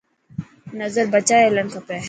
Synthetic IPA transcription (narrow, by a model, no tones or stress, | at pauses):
nɐzəɾbɐt͡ʃaːelɐnkʰɐpe